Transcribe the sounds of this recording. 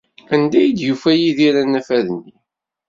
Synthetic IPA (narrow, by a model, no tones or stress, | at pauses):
ænd̪æjid̪jufæjiðiɾænæfæðənːi